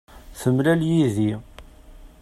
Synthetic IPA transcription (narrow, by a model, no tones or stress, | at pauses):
θəmlæljiði